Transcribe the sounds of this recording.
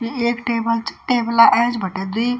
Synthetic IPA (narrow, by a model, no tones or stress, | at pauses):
kieːkʈeːbəlt͡ʃʈeːbəlaʔɛ̃d͡ʒbʱəʈed̪iː